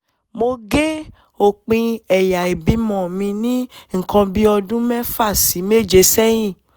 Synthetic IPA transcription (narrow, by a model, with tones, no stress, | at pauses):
mo˧ɡe˦ | o˨k͡pĩ˧ɛ˨ja˨i˨bi˨˦mɔ̃˨mĩ˧nĩ˦ŋ̩˨kɔ̃˧bi˦ɔ˧dũ˦mɛ̃˦fa˦˨si˨˦me˦˨d͡ʒe˧˦sɛ˦j̃ĩ˦˨